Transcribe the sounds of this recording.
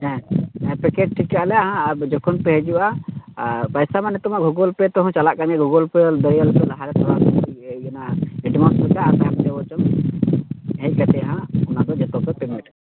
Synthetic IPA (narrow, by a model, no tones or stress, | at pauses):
ɛɛ̃pɛkeʈ̚ʈʰikaʔlɛaɦãbd͡ʒɔkʰɔnpɛɦɛd͡ʒuʔa | pajsamanɛt̪ɔmaʔɡʱuɡɔlpɛt̪ɔɦɔ̃t͡ʃalaʔkaɲɛɡuɡɔlpɛd̪əɾjəlpɛlaɦaɾɛt̪ʰɔɾaɛnaɛɖmɔsɛkaːt̪abdɛwɔt͡ʃɔm | ɦɛjkat̪ɛaɦãɔnad̪ɔd͡ʒɛt̪ɔpɛpɛmɛʈ